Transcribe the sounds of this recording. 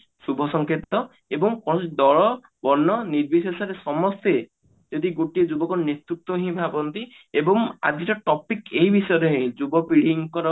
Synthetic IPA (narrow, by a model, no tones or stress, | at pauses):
subʱɔsɔŋkʰit̪ːɔ | ebɔŋkɔnɔsd̪ɔɭɔ | bɔnːɔniɾbisesaɾesɔmɔst̪e | d͡ʒɔd̪iɡoʈied͡ʒubɔkɔnet̪ɾut̪wɔɦĩbʱabɔnt̪i | ebɔŋa̰d̪iɾɔʈɔpikeɦibʱisɔjɔɾɔɦẽd͡ʒubɔpiɽ̤iŋkɔɾɔ